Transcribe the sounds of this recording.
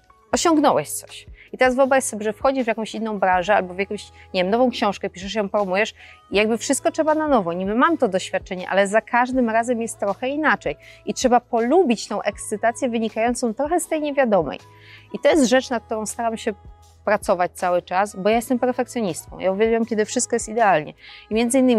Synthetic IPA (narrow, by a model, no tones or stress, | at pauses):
ɔɕɔ̃ŋɡnɔwɛɕt̪sɔ̥ɕit̪ɛɾasvɔbɾajsɔbʲɛʐɛfxɔd͡ʑiʐvʲjakɔ̃w̃ɕinːɔ̃w̃bɾãnʐɛa̰lbɔvjakɔ̃w̃ɕɲevʲɛmnɔvɔ̃w̃kɕɔ̃w̃ʂkɛpʲiʂɛʂjɔ̃w̃pɾɔmujɛʂ | ijaɡ̚bɘfʂɨst̪̚kɔtʂɛbananɔvɔɲimmamt̪ɔd̪ɔɕfʲjat̪̚t͡ʂɛɲɛ̰ʔa̰lɛzakʰaʐd̪ɘmɾazɛmjɛst̪ːɾɔxɛinat͡ʂɛjitʂɛbapɔlubʲit͡ɕt̪ɔ̃w̃ʔɛkst̪sɘt̪at̪sʲjɛvɘɲikajɔnt̪sɔ̃w̃t̪ɾɔxɛst̪ɛjɲevʲjad̪ɔmɛ̰j | it̪ɔjɛst̪ʐɛt͡ʂnat̪̚k̚ːt̪uɾɔ̃w̃st̪aɾamɕɛ | pɾat̪sɔvat͡ɕt̪sawɘt͡ʂasbɔjajɛst̪ɛmpɛɾfɛkt̪sʲjɔɲist̪̚kɔ̰̃w̃jauvʲjaluwɛmkʲɛd̪ɘfʂɘst̪̚kɔjɛst̪id̪ɛalɲɛ̰imʲjɛnzɘinːɘmʲ